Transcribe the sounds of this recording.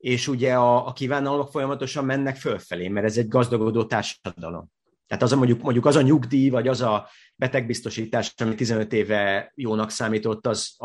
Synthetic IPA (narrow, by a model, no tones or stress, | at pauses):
eːʃuɟɛɒːkiːvaːnɒlmo̞kfo̞jɒmɒt̪o̞ʃɒmːɛnːɛkfølfɛleːmɛɾɛzɛɟɡɒzd̪ɒɡo̞d̪oːt̪aːrʃɒd̪ɒ̰lo̞̰m | t̪ɛ̰ːt̪ɒzmo̞ɲɟukmo̞ɲɟukɒzɒɲuɡd̪iːvɒɟɒzɒ | bɛt̪ɛɡ̚bist̪o̞ʃiːt̪aːʃɒmit̪ːizɛnøt̪eːvɛjoːnɒksaːmiːt̪o̞t̪ːɒz